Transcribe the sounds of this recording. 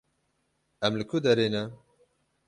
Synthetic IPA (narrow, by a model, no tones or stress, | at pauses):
ɛmlɨkʰʊd̪ɛɾenɛ